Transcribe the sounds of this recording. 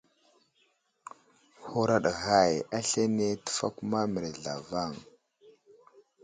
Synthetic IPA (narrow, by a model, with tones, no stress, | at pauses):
hu˨ɾa˨ɗɣa˨ja˦ɬe˦ne˦tə̥˨fa̰˦ku˦ma˦mə˨ɾɮa̰˨va˦˨ŋ